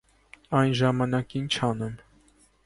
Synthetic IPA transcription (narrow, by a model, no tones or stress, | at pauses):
ɑjnʒɑmɑnɑkint͡ʃʰɑnum